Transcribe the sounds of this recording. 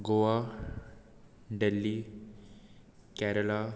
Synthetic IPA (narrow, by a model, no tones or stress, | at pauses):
ɡoʋa | ɖəlːi | kæɾəla